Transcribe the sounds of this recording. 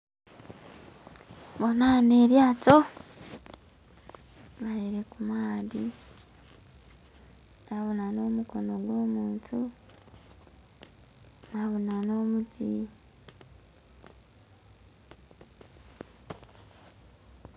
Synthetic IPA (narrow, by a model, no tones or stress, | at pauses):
βonaneɾjaːco | βaɾiɾekumaːdi | naβonano̞muko̞no̞ɡwo̞muːntu | naβonano̞ːmuti